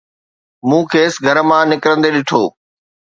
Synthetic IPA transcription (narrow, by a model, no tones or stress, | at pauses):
mũːkʰeːsɡʱɐɾəmãːnɪkɾə̃nd̪eɗɪʈʰoː